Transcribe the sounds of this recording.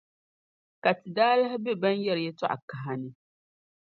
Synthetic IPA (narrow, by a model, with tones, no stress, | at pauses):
ka˨tɨ˨daː˦la˦hɪ˦bɛ˦ba˦njɛ˦ɾɪ˨jɛ˦tɔ̰˦ʔa̰˨ka˨ɦa˨nɨ˦